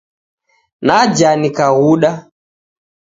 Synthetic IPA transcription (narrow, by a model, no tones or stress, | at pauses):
nad͡ʒanikaɣuɗa